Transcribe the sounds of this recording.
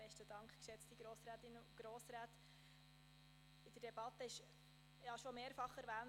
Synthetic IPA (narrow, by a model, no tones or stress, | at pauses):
b̥ɛʃtəd̥ɑŋkχkʃɛt͡stiɡ̥ɾoːsɾæːt̪ɪnːɡ̥ɾoːsɾæːt̪ | ɪd̥̪əɾd̥ɛbɑt̪ːəɪʃ | jjɑʃɔmeːɾfɑχɛɾʋæːn